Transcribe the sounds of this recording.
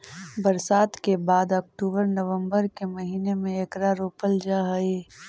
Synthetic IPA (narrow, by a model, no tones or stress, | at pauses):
bəɾsaːt̪kebaːd̪ɔːk̚ʈuːbəɾnəʋə̃mbəɾkemɐɦiːnemẽekɾaɾoːpəld͡ʒaɦəe